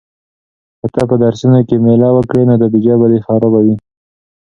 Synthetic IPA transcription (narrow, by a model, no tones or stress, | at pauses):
kət̪ɑpəd̪aɾsunakemelɑwəkɽenod̪əbid͡ʒɑbalexɑɾɑbawi